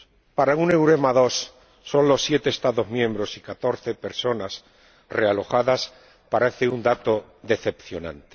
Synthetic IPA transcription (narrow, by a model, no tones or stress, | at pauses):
paɾaune̞wɾemaðo̞sː | o̞nlo̞sːje̞t̪eːst̪aðo̞zmjẽ̞mbɾo̞sikat̪o̞ɾθe̞peɾso̞nas | re̞alo̞xaðas | paɾe̞θeund̪at̪o̞ | ðe̞θe̞pθjo̞nã̰nt̪e